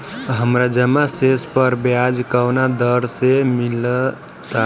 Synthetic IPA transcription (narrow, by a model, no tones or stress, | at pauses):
ɦəmɾad͡ʒəmasespəɾbjad͡ʒkəwnad̪əɾsemil | t̪a